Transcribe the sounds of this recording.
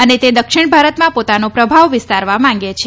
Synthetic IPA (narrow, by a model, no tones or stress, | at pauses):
ənet̪ed̪əkʃɪɳbʱaɾət̪mãpot̪anopɾəbʱaʋʋɪst̪aɾʋamãŋ̆ɡet͡ʃʰe